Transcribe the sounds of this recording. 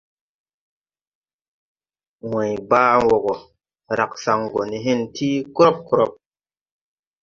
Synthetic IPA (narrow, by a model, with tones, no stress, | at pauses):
wẽ˨jbaː˦wo˨ɡo˨ | ɾa˨k̚sa˨ŋɡo˨ni˨ɦi˦ntʰiː˦kɾo˦p̚kɾo˦p̚